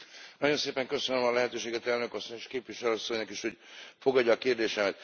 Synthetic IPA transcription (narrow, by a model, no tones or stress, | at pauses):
nɒɟo̞nseːpɛŋkø̞sønømɒlɛɦɛt̪øːʃeːɡɛt̪ɛlnø̞kɒsːoɲeʃkeːpʋiʃɛlɒsːo̞ɲnɒkiʃho̞ɟfo̞ɡɒdːɒːkeːrd̪eːʃɛmɛt̪